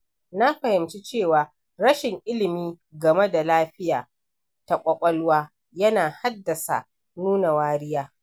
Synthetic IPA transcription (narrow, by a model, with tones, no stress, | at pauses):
na˦ɸɐ˨hɪ˨mt͡ʃi˦t͡ʃeː˦˨waː˨ | ɾɐ˦ʃɪ˨ŋʔɪ˦lɪ˨miː˦ | ɡɐ˨me˦da˨laː˦ɸɪ˦jaː˨ | ta˨kʷʼɐ˨kʷʼɐ˦lwaː˦ | jɐ˦naː˨ha˦dːɐ˨sa̰˨ | nuː˦na˨waː˦ɾɪ˦jaː˦